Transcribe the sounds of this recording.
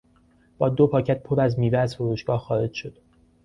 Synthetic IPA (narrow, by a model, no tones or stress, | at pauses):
b̥ɒːd̪opʰɒːcʰæt̪̚pʰoɾæzmiːveæzfoɾuːʃɡɒːhxɒːɾe̞d͡ʒʃo̞d̪̥